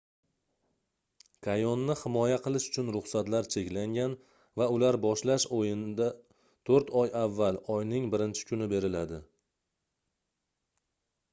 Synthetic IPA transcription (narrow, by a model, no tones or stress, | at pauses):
kʰajɒnːɪhɪmɒjaqʰɨlˠɪʃʊ̥t͡ʃʰʊnɾʊχsat̪laɾt͡ʃʰe̞kʲlaŋɡʲan | vaʊlaɾbɒʃlaʃojɪnd̪a | t̪ʰoɾt̪ʰɒjavːalˠɒjnɪŋbɪɾɪnt͡ʃʰɪ̥kʰʲʊnɪbe̞ɾɪlad̪ɪ